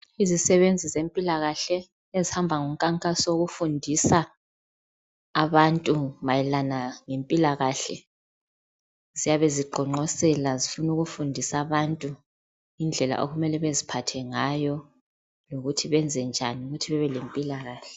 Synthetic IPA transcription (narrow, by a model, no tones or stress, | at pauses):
izisɛβend͡zʱizempʼilaɣaɬɛ | ezihambʱaŋum̩kʼaŋkʼasoɣufundʱisa | βantʼumajɛlanaŋempʼilaɣaɬɛ | zijaβeziɡ͡ǃʱɔŋ͡ǃɔsɛlazifunuɣufundʱisaβantʼu | ind͡ɮʱɛla̰ʔoɣumɛlɛβezipʰatʰɛŋajɔ | loɣutʰiβɛnd͡zʱɛnd͡ʒʱaniuɣutʰiβɛβɛlempʼilaɣaːɬɛ